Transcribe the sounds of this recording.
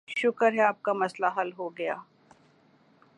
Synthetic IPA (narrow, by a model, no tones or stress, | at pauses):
ʃʊkəɾɦɛaːp̚kamɐslaɦɐlɦoɡɐja̰ː